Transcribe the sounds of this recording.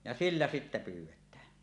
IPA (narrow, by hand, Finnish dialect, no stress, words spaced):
jɑ silːæ sitːæ pywˑetːæː